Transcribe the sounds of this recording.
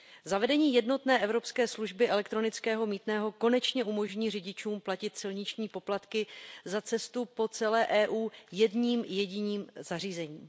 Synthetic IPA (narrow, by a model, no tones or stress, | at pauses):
zavɛdɛɲiːjɛdno̞t̪nɛːʔɛvɾo̞pskɛːsluʒbɪʔɛlɛk̚t̪ɾo̞nɪt͡skɛːɦo̞miːt̪nɛːɦo̞ko̞nɛt͡ʃɲɛʔumo̞ʒɲiːr̝ɪɟɪt͡ʃuːmplacɪt̪sɪlɲɪt͡ʃɲiːpo̞plat̪kɪzat͡sɛst̪upo̞t͡sɛlɛːʔɛːʔuːjɛdɲiːmjɛɟɪɲiːmz̥ar̝iːzɛɲiː